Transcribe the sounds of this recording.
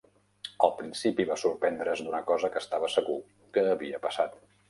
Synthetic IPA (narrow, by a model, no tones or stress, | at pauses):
əlˠpɾinsipiβasuɾpɛnd̪ɾəzd̪unəkɔzəkəst̪aβəsəɣu | kəːβiəpəsat̪